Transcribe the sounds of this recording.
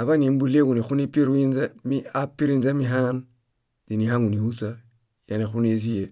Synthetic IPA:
a˨βa˦ni˨m˦bu˦le˦ɡu˨ni˨xu˦ni˦pi˦ɾu˦i˦nza˦mi˦a˦pi˦ɾi˦nza˦mi˦ɦa˦n | di˨ni˨ɦa˦ŋu˨ni˨hu˦t͡sa˦ | ja˨ni˨xu˦ne˦si˦je˨

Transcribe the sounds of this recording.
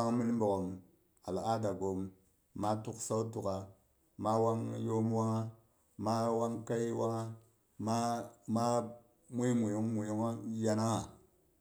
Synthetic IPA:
a˦ŋmi˦n˦m˦bo˨ko˨m | a˨la˨a˦da˨ɡo˨mː | a˦tu˦ksa˦u˦tu˨ka˨ | ma˦wa˦ŋjo˦mwa˦ŋa˦ | ma˦wa˦ŋka˦ji˦wa˦ŋa˦ | ma˦ma˦ | mi˦mu˨jo˦ŋmu˨jo˦ŋa˦ja˦na˦ŋa˨

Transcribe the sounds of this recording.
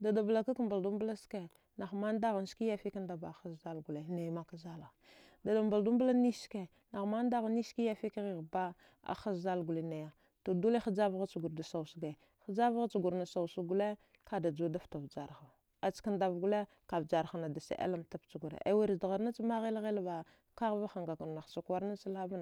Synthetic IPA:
da˨da˨bla˨ka˦ka˦mba˨ldu˦mbu˦la˦ske˦˨ | na˨xma˦n˦da˦ɣa˨n˦ski˦ja˦fi˦ka˦nda˨ba˨xa˦sza˦lɡu˨le˨ne˨jma˦ka˦za˦la˨ | da˨da˨mba˨ldu˦mbu˦la˦ni˦ske˨ | na˨xma˦n˦da˦ɣa˨ni˦ski˦ja˦fi˦kɣi˨ɣba˦ | a̰˨xa˦sza˦lɡu˨le˦na˨ja˦ | to˨du˦le˦xa˦d͡ʒa˦vɣa˦t͡ʃu˨ɡu˨ɾda˨sa˨wsɡe˨ | xa˦d͡ʒa˦vɣa˦t͡ʃu˨ɡu˨ɾna˨sa˨wsu˦ɡu˦le˦ | ka˨da˨d͡ʒu˦da˦fta˨vd͡ʒa˨ɾxa˨ | a˨t͡ʃka˦nda˨vɡu˦le˦ | ka˨vd͡ʒa˨ɾxa˨na˨da˨sḛ˨ʔḛ˦la˦mta˦pt͡ʃu˨ɡu˨ɾḛ˨ʔḛ˨wi˨ɾda˨ɣa˨ɾna˦t͡ʃi˦ma˦ɣi˦lɣe˦lba˨ | ka˦ɣva˦xa˨ŋɡa˨ɡu˨ɾna˨xsa˨kwa˦ɾna˦t͡ʃa˦la˦va˦n˨

